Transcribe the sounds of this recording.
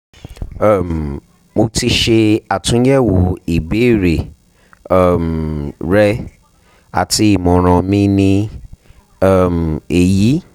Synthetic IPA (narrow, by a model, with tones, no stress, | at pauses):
m˨ | mo˧ti˧ʃe˧a˨tũ˨˦jɛ˦wo˨˦i˨be˨˦˨ɾe˨˦˨ | mɾɛ˦ | a̰˨ti˧˦i˦˨mɔ̃˨ɾ̃ã˧mĩ˦nĩ˧˦˨ | m˨e˨ji˨˦